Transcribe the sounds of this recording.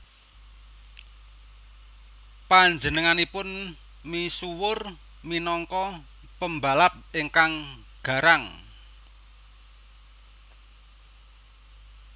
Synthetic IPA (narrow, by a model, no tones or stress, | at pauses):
paɲd͡ʒənəŋanipʊn | misuwʊr | minɔŋkɔ | pəmba̤lat̪̚iŋkaŋ | ɡ̥ä̤ɾaŋ